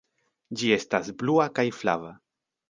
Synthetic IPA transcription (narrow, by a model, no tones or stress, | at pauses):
d͡ʒie̞stazbluakajfla̰va